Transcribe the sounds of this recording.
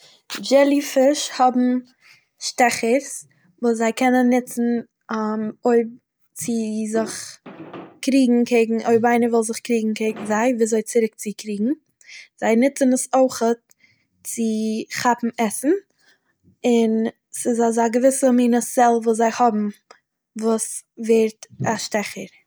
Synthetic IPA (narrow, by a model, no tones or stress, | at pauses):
d͡ʒɛlˠifɪʃhɔbm̩ | ʃtɛχəɾs | vuːs̬zaɪkʰɛnənːɪt͡sn̩ | moɪb̚ | t͡sɪzɪχ | kɾiːɡŋ̩kʰeɪɡŋ̩ʔoɪbaɪnəvʊlˠzɪχkɾiːɡŋ̩kʰeɪɡŋ̩zaɪviːzoɪt͡sɪɾɪk̚t͡sɪkʰɾiːɡŋ̩ | z̥aɪnɪt͡sənəsoɪχət̚ | t͡sɪχapm̩ɛsn̩ | ɪn | sɪzazaɡəvɪsəmiːnəsɛlˠvuːs̬zaɪhɔbm̩ | vuːsveːɾtaʃtɛχəɾ